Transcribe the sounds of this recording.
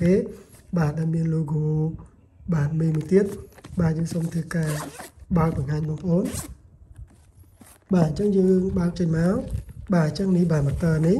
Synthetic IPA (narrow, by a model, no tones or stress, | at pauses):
keːɓaːɗaɛlmiənloːɡoː | ɓaːnmiːmuəjt̪iət̪̚ɓaːjəːŋsoːmt̪ʰɨːkaːɓaək̚ɓɑŋhaːɲɓɑːŋpə̆ʔoːn | ɓaːɨɲt͡ɕəŋjəːŋɓaək̚t͡ɕəɲmaɔɓaːɲt͡ɕəŋnihɓaːmət̪əːni